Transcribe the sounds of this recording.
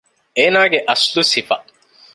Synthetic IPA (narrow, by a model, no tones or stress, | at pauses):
eːnaːɡeʔɐslusifɐ